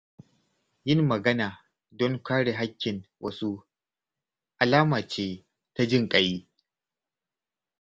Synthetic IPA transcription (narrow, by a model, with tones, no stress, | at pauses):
jɪ˦mːɐ˨ɡɐ˦naː˨ | dɔ˦ŋkʷaː˦ɽe˨ɦa˦kʲːɪ˨nwʔɐ̰˦su˦ | ʔa˨laː˦maː˨t͡ʃeː˦ | ta˦d͡ʒɪ˦ŋkʼɐ˨jiː˦